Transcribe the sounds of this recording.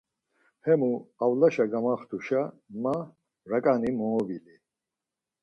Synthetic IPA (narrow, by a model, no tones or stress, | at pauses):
hɛmuawlaʃaɡamaχt̪ʰuʃa | ma | ɾakʼanimɔːbili